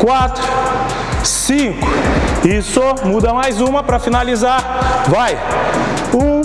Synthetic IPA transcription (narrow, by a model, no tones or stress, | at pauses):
kwat̪ɾʊ | sĩkʊɪsɔmud̪ɐmajzũmɐpɾɐfinalizaɾvaj | ũ